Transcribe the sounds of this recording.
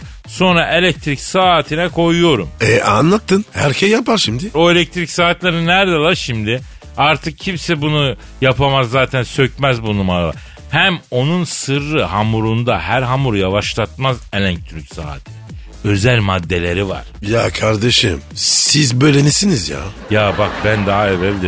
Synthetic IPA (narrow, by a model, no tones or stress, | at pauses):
so̞nɾaʔe̞lʲɛc̚t̪ʰɾicsaːt̪ʰinɛkʰo̞jujo̞ɾumɛa̰nlˠat̪ʰːɯnhæɾcʰɛsjapʰaɾʃimd̪ɪo̞elʲɛc̚t̪ʰɾicsaːt̪lʲeɾɯnæɾd̪elˠaɾʃimd̪ɪ | aɾt̪ʰɯk̚cʰimsɛbunu | japʰamazːaːt̪ʰænsø̞cmæzbunumaɾalˠa̰ɾ | hæmo̞nunsɯɾːɯɦamuɾund̪ahæɾɦamuɾjavaʃlˠat̪̚mazelʲæɲc̚t̪ʰyɾycsa̰ːt̪ʰi | ø̞zælʲmad̪ːe̞lʲeɾiva̰ɾ̥jakʰaɾd̪eʃɯ̰msizbøːlʲenisinizja̰ːjaːbak̚bænd̪aɦaevɛvd̪i